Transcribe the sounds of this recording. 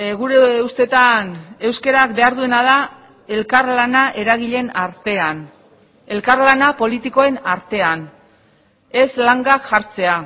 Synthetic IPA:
ɣuɾe̞ust̪e̞t̪ane̞wske̞ɾakbe̞aɾðue̞naða | e̞lkaɾlanaʔe̞ɾaɣiʎe̞naɾt̪e̞an | e̞lkaɾlanapo̞lit̪iko̞e̞naɾt̪e̞an | e̞slaŋɡakʝaɾt͡se̞a

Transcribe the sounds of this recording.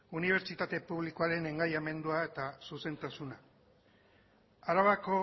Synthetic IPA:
uniβ̞e̞ɾt͡ʃit̪at̪e̞puβlikoaɾe̞ne̞ŋɡajame̞nd̪uae̞t̪asuse̞nt̪asuna | aɾaβako̞

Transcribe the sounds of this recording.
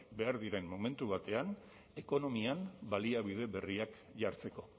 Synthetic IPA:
be̞aɾðiɾe̞mːo̞me̞nt̪uβat̪e̞an | e̞ko̞no̞mianbaliaβiðe̞βe̞riak | ʝaɾt͡se̞ko̞

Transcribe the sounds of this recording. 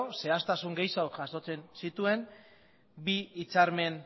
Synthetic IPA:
se̞ast̪asuŋɡejsaokaso̞t͡se̞nsit̪ue̞m | biːt͡saɾme̞n

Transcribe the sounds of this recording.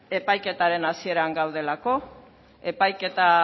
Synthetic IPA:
e̞pajke̞t̪aɾe̞nasie̞ɾaŋɡawð̞e̞lako̞ | e̞pajke̞t̪a

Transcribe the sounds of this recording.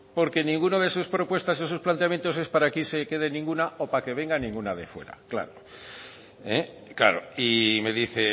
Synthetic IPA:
po̞ɾke̞nĩŋɡunoðesuspɾo̞pwe̞st̪asiðesusplant̪eamje̞nt̪o̞s̬e̞spaɾakise̞ke̞ð̞e̞nĩŋɡunaopake̞β̞e̞ŋɡanĩŋɡunaðe̞fwe̞̰ɾa̰kla̰ɾo | e | kla̰ɾo̰ime̞ðiθe

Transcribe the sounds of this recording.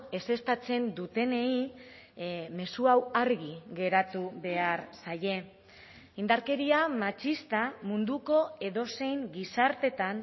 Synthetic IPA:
e̞se̞st̪at͡se̞nd̪ut̪e̞ne̞i | me̞suawaɾɣiɣe̞ɾat̪uβe̞aɾsaje̞ | ind̪aɾke̞ɾiamat͡ʃist̪amund̪uko̞e̞ðo̞se̞jŋɡisaɾt̪e̞t̪an

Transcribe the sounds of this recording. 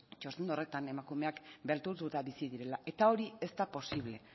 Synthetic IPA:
t͡ʃost̪end̪o̞re̞t̪ane̞makume̞akbelt̪uɾt̪ut̪aβisiðiɾe̞laʔe̞t̪ao̞ɾie̞st̪apo̞siβ̞le̞

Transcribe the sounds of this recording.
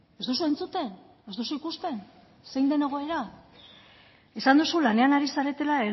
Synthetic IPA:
ezd̪osue̞nt͡sut̪e̞n | e̞zd̪osuikust̪e̞n | se̞jnd̪e̞ne̞ɣ̞o̞e̞ɾa | e̞sand̪usulane̞anaɾisaɾe̞t̪e̞lae

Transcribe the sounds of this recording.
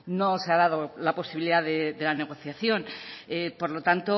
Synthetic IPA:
no̞se̞aðaðolapo̞siβiliðaðeðe̞lane̞ɣ̞o̞θjaθjo̞nepo̞ɾlo̞t̪ant̪o

